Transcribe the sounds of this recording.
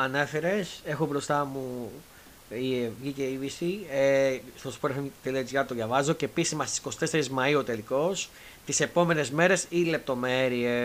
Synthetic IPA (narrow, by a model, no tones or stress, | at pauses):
ɐne̞fe̞ɾe̞se̞xo̞bɾo̞st̪ɐmu | ivʝiceivisieθɐsu̥poɾɐft̪eliɐt͡siɐt̪oðʝɐvɐzo̞ce̞ːpisizmɐst̪isi̥ko̞si̥t̪e̞seɾizmɐiot̪eliko̞s | t̪ise̞po̞me̞ne̞zme̞ɾe̞sile̞p̚t̪o̞me̞ɾie